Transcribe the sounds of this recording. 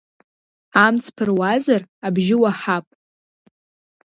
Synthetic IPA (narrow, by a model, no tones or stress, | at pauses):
amt͡sʰpʰɨrwazarabʒɪwaħapʼ